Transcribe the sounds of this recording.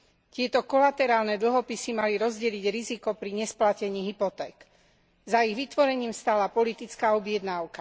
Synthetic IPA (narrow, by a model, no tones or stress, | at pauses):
c̪ɪɛt̪ɔkɔlat̪ɛɾaːlnɛd̪l̩ɦɔpisimaliɾɔzɟɛliɟɾizikɔpɾiɲɛsplacɛɲiːɦipɔt̪ɛːk | zaiɣʋit̪ʋɔɾɛɲiːmst̪alapɔlit̪it͡skaːɔbɪɛd̪naːʊka